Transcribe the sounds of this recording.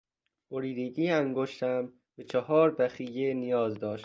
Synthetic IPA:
boɾiːd̪eɟiːæŋɡoʃt̪ʰæm | bet͡ʃʰɒɦɒːɾbæxiːjenijɒːzd̪ɒːʃt̪

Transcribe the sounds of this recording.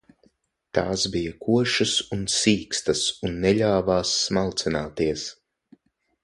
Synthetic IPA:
t̪aːsbijakʰuɔʃɨsunsiːkst̪ɐsunːɛʎʲaːvaːsːmalˠt̪sinaːt̪iɛs

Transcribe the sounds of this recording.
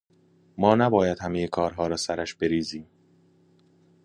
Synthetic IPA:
mɒːnæbɒːjæd̪hæmejekʰɒːɾɦɒːɾɒːsæɾæʃb̥e̞ɾiːziːm

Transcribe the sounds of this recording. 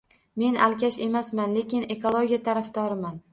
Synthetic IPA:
me̞nʔa̰lkʲʰaʃe̞masmanle̞kʲɪne̞kʰolˠoɡʲijat̪ʰaɾafd̪ɒɾɪman

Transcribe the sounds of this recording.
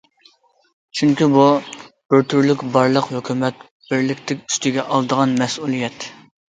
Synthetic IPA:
t͡ʃʰyŋkʲibu | b̥ɪɾt̪ʰyɾlykʲbɑɾlˠəqhøkʲymɛt̪̚ | b̥ɪɾlɪkʲt̪ʰɪkʲy̥st̪ɪɡʲɛʔɑlˠd̪əʁɑnmɛsulˠijɛt̪

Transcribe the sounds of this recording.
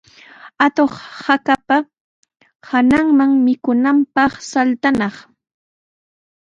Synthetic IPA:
at̪oχhakapa | hanaŋmaŋmɪkʊnampɑχsalt̪anɑχ

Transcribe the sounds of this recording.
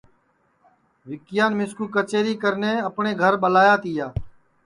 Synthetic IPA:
ʋɪkɪjaːnmɪskuːkət͡ʃeːɾiːkəɾneːəpɳeːɡʱəɾɓəlaːjaːt̪iːjaː

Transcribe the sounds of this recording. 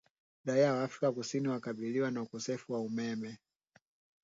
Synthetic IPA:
ɗaiawaːfɾikakusiniwakaɓiliwanaukɔsɛfuwaumɛmɛ

